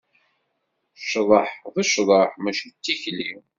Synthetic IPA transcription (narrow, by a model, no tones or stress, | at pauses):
ʃðˤəħðˤəʃðˤəħmæʃit͡sːiçli